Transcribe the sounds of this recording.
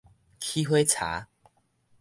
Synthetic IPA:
kʰi˦ɦwe˦t͡sʰa̰˨˦

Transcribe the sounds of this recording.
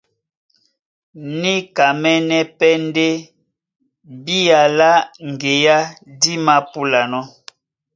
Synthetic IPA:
ni˦ka˨mɛ˦nɛ˦pɛ˦n˦de˦ | bi˦ja˨la˦ŋ˨ɡe˨ja˦di˦ma˦pu˦la˨nɔ˦

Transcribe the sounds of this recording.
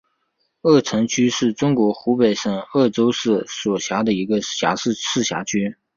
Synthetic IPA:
ɤ˥˩ʈ͡ʂʰə˧˥ŋt͡ɕʰy˥ʂɻ̩˥˩ʈ͡ʂʊ˥ŋkwɔ˧˥xu˧˥pe˨˩ɪʂə˥˩ŋɤ˥˩ʈ͡ʂo˥ʊʂɻ̩˥˩swɔ˨˩ɕja˧˥d̪ə˧i˧˥ɡə˧ɕja̰˧˥ʂɻ̩˥˧t͡sʰɹ̩˥˩ɕja̰˧˥t͡ɕʰy˥

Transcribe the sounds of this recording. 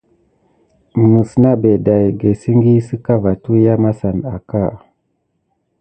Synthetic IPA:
m˨nu˨sna˦be˨da˨jɡe˨si˦ŋɡi˦si˦ka˦va˨tu˦ja˦ma˦sa˨na̰˨ka˦˨

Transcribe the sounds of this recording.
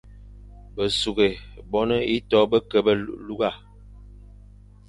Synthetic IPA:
bə˨su˨ɡe˨bɔ˦nə˦i˦tɔ˦bə˦kə˨bə˦lu˦ɡa˦˨

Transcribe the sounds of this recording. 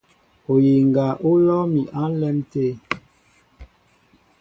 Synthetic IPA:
o˨ji˨ŋɡa˨ʔo˦lɔ˦mi˨ʔa˦n˦lɛ˦mte˦˨

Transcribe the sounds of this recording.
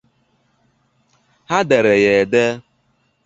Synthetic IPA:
ha˦de˨ɾe˨je˨de˦

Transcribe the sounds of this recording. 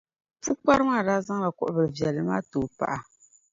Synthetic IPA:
fu˦k͡pa˦ɾɨ˦ma˦˨da˦za˦ŋ˦la˨kʊ̰˨ʔʊ˦bɨ˨ɾɨ˨vjɛ˨lːɨ˦maː˦to˨pa̰˨ʔa˨

